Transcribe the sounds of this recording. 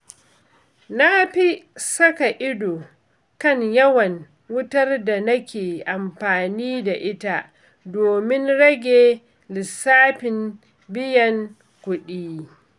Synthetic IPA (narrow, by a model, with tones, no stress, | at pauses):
na˦ɸi˦sɐ˦ka˨ʔɪ˦do˨ | kɐ˦˨ɲjɐ˦wɐ˨ŋ | wʊ˦tɐ˦rda˨nɐ˦kʲeː˨ʔa˨mɸaː˨niː˦da˨ʔɪ˦ta˦ʔ | doː˨mɪ˦nɽɐ˦ɡʲeː˨ | lɪ˨sːaː˦ɸɪ˨m | bɪ˦jɐ˨ŋ | kʷʊ˦ɗiː˦